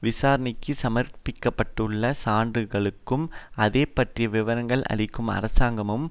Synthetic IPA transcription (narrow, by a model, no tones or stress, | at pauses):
ʋɪsaːɾɐnɪkːɯsɐmɐrpɪkːɐpːɐʈːɯɭːɐsaːndrɯɣɐɭɯkːɯmɐðeːpːɐʈrɪjɐʋɪʋɐɾɐŋɡɐɭʔɐ̰ɭɪkːɯmɐ̰ɾɐsaːŋɡɐmɯm